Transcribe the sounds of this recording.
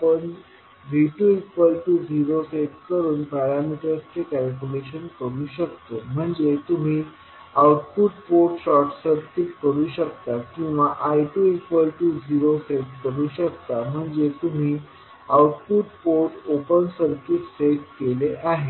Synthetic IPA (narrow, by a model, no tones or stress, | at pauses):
pən | ʋʱiʈuekʋəlʈuːd͡ziɾoseʈkəɾuːnpæɾamiʈəɾst͡sekælkjuleɕənkəɾuːɕəkt̪om̤əɳd͡zet̪um̤iː | awʈ̚puʈpoɾʈɕɔɾʈsəɾkit̪kəɾuːɕək̚t̪akĩw̃ʋaʔajʈuekʋəlʈuːd͡ziɾoseʈkəɾuːɕəkt̪am̤əɳd͡zet̪um̤iː | awʈpuʈpoɾʈopənsəɾkit̪seʈkeleʔaɦe